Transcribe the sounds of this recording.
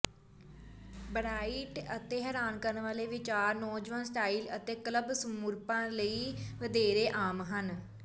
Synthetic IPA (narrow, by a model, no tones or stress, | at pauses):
bəɾaːiʈət̪eːɦɛːɾaːnkəɾənʋaːleːʋɪt͡ʃaːɾnɔːd͡ʒʋãːnsʈaːiːlət̪eːkləbsəmuɾpãːləiːʋəd̪eːɾeːʔaːmɦən